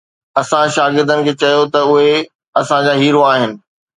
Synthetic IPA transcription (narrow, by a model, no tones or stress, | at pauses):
ɐsãʃaːɡɪɾd̪ənɪ̆kʰeːt͡ɕɐjot̪ɐʊɦe | ɐsãd͡ʑaːɦiːɾoaːɦɪnɪ̆